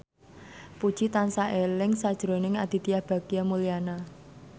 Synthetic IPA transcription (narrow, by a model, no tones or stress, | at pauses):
pud̥ʒ̥it̪ansaʔelɪŋsad̥ʒ̥ɾo̤nɪŋad̪̥i̤t̪ijahb̥a̤ɡ̥iamuliana